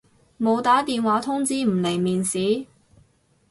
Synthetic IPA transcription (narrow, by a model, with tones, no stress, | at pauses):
mo˨˧wt̪aː˨˥t̪iː˨nwaː˨˥t̪ʰʊ˥ŋt͡siː˥m̩˨˩le˨˩jmiː˨nsiː˨˥